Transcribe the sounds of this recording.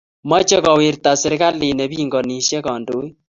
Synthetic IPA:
ma˦t͡ʃe˦kɔ˨wɪ˨ɾta˨sɪ˨ɾka˦lɪ˨nɛ˨bi˦˨ŋɡɔ˨ni˨ʃjɛ˦kɔ˨ndo˦

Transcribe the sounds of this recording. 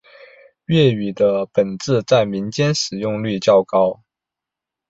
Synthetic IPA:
ɥɛ˥˩y˨˩d̪ə˦pə˨˩nt͡sɹ̩˥˧t͡sa˥˩ɪmi˧˥nt͡ɕjɛ˥nʂɻ̩˨˩jʊ˥˧ŋly˥˧t͡ɕjɑ˥˧˩ʊkɑ˥ʊ

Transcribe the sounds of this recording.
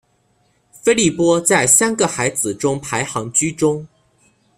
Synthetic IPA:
fe˥ɪli˥˩pwɔ˥t͡sa˥˩ɪsa˥nɡə˨xa˧˥ɪd͡zɹ̩˨˩ʈ͡ʂʊ˥ŋpʰa˧˥ɪxɑ˧˥ŋt͡ɕy˥ʈ͡ʂʊ˥ŋ

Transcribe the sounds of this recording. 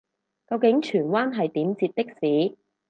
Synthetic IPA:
kɐ˧wkɪ˨˥ŋt͡ʃʰyː˨˩nwaː˥nɦɐ˨jt̪iː˨˥mt͡siː˧t̚t̪ɪ˥k̚siː˨˥

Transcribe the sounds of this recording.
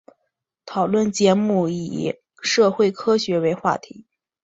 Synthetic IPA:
t̪ʰɑ˨˩ʊlwə˥˩nt͡ɕjɛ˧˥mu˥˩i˨˩˦ | ʂɤ˥˧xwe˥˩ɪkʰɤ˥ɕɥɛ˧˥we˧˥ɪxwa̰˥˩t̪ʰḭ˧˥

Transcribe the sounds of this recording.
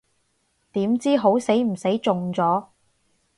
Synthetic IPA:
t̪iː˨˥mt͡siː˥ɦo˨˥wse˨˥jm̩˨˩se˨˥jt͡sʊ˨ŋt͡sɔː˨˥

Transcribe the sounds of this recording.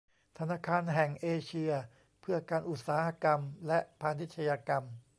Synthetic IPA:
t̪ʰa˧naː˧˥˩kʰaː˧nɦɛ˨˩ŋʔeː˧t͡ɕʰi˧ɐ | pʰɯ˥˩ɐkaː˧nʔu˨˩t̪̚saː˩˦ha˧˥ka˧mlɛ˦˥ʔpʰaː˧ni˦˥t̪̚t͡ɕʰa˧jaː˧ka˧m

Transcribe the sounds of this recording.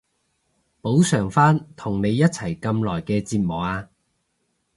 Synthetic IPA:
po˨˥wsœː˨˩ŋfaː˥nt̪ʰʊ˨˩ŋne˨˧jːɐ˥t̚t͡sʰɐ˨˩jkɐ˧mlɔː˨˩jkɛː˧t͡siː˧t̚mɔː˨˩k̚aː˧

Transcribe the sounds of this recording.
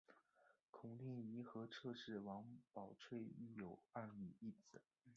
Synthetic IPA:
kʰʊ˨˩ŋt̪ji˥˩ŋi˧˥xɤ˧˥ʈ͡ʂʰɤ˥˧ʂɻ̩˥˩wɑ˧˥ŋpɑ˨˩ʊʈ͡ʂʰwe˥˧ɪy˥˩jo˨˩ʊa˥˩my˨˩i˥˩t͡sɹ̩˨˩˦

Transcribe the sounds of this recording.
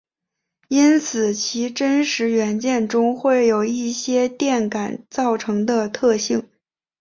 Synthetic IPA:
i˥nt͡sʰɹ̩˨˩t͡ɕʰi˧˥ʈ͡ʂə˥nʂɻ̩˧˥ɥɛ˧˥nt͡ɕjɛ˥˩nʈ͡ʂʊ˥ŋxwe˥˩ɪjo˨˩ʊi˥˩ɕjɛ˥t̪jɛ˥˩nka˨˩˦nt͡sɑ˥˩ʊʈ͡ʂʰɤ˧˥ŋd̪ə˧t̪ʰɤ˥˧ɕi˥˩ŋ

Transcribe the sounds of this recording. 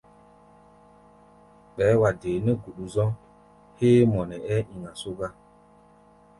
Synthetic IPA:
ɓɛː˨˦wa˨deː˨nɛ˦ɡu˨ɗu˨zɔ̃˦ŋ | heː˦mɔ˨nɛ˨ɛ˦ʔi˨ŋa˨so˦ɡa˦

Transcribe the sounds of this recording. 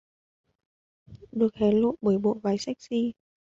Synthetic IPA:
ɗɨ˨˩ək̚hɛ˨˦lo̰˧˨nɓə˧˩jɓo̰˧˨vaː˨˦jsa˦˥jk̚si˧

